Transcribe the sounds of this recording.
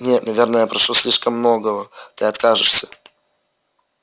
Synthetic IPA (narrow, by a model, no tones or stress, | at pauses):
nʲet̪nɐvʲe̞rnəjapɾɐʂusʲlʲiʂkəmːnoɡəvət̪ɨɐt̪kaʐɨʂsʲə̥